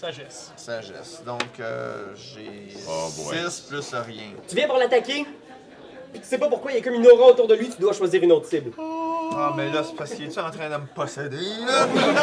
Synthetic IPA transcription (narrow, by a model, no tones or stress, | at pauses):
saʒɛs | saʒɛ̰sd̪ɔ̃kø̰ʒḛ | sɪsplysʁjɛ̰̃t̪yvjɛ̃pwaʁlat̪akʲe | pi̥t̪y̥sepapʊʁkwailɛkɔminɔʁɑ̃ot̪uːʁd̪əlɥit̪yd̪waʃwaziːʁynoːt̪χsɪbl | amɛlɐsfaskiɛt̪yɑ̃t̪ʁɛ̃d̪əməpɔsed̪elə